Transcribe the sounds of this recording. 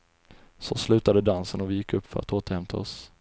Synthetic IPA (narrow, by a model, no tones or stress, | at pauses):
sɔslʉ̟ːt̪ad̪əd̪ansənɔvɪjɪkːɵpːfœɾa̰t̪oːt̪əɾhɛmt̪ʰaɔs